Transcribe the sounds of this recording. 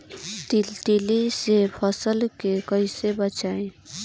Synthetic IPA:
tiʈilisepʰʌsəlkekʌjsebət͡ʃaẽ

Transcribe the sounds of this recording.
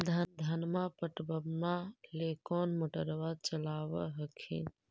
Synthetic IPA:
d̪ʱənd̪ʱənmapəʈbəbnalekɔnmoʈəɾʋad̪̚t͡ʃəlaʋə̰ɦəkʰḭn

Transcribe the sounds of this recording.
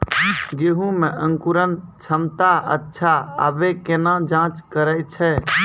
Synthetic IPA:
ɡeɦũmẽʔə̃ŋkuɾənt͡ʃʰəmt̪aə̰tːʃʰaə̰bekenãd͡ʒãːt͡ʃkəɾəjt͡ʃʰɛ

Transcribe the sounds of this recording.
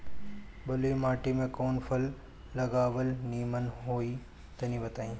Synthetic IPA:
bɐlimaːʈimẽkoːnpʰəlː | ɐɡaːʋəlniːmənɦoːi | t̪ɐnĩbɐt̪aːĩː

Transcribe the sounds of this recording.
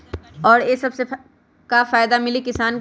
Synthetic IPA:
ɔːɾeːsɐbse | kafaːjd̪amɪlikɪsaːn

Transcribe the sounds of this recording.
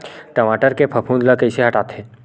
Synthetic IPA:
ʈəmaʈəɾkepʰəpʰũnd̪ləkəɪseɦəʈat̪ʰe

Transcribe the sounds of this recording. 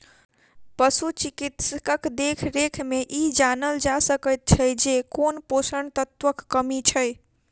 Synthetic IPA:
pəsut͡ʃikit̪skəkd̪ekʰɾekʰmeʔid͡ʒanəld͡ʒasəkəjt̪̚t͡ʃʰəjd͡ʒekonposəɳt̪ət̪ʋəkːəmit͡ʃʰəj

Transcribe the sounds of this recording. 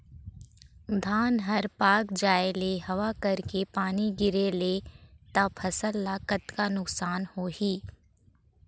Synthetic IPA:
d̪ʱaːnɦɐɾpaːkd͡ʒaːeleɦɐʋakɐɾkepaːniɡɪɾelet̪ɐbpʰɐsəlːakət̪kanʊksaːnhoːhiː

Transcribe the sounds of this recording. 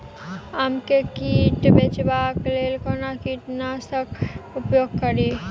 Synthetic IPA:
amkekiʈbet͡ʃbaklelkonakiʈnasəkʰupjoɡ̚kəɾi

